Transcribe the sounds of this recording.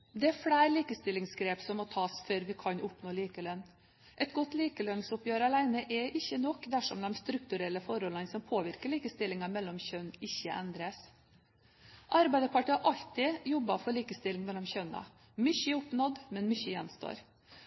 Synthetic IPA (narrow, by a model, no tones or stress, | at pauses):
d̪ɛæfɽæːɾliːkəst̪ɪlːɪŋsɡɾeːpsɔmːɔt̪ʰɑːsføɾʋɪkʰɑnʔʊpnoːliːkəlœnː | ʔɛt̪ɡɔt̪ːliːkəlœnsɔpjøːɾəɑlæɪnəʔɛʔɪçːənɔkːd̪æʂɔ̰md̪ɛmst̪ɾʉk̚t̪ʉɾɛlːəfɔɾɔlɑnsɔmpʰoːʋɪɾkəɭiːkəst̪ɪlːɪŋɑmɛlːɔmçœnɪçːəʔɛnd̪ɾəs | ʔɑɾbæɪd̪əpʰɑʈiɑʔɑʎt̪ɪjɔbːɑfɔɾɭiːkəst̪ɪlːɪŋmɛlɔmçœnɑ̰ | mʏçəɛʊpnɔd̪mɛnmʏçəjɛnst̪o̰ːɾ